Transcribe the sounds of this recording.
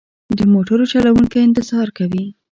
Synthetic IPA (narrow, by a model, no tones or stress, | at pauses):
d̪əmoʈaɾot͡ʃalawuŋkaɪnt̪ɪzɑɾkawi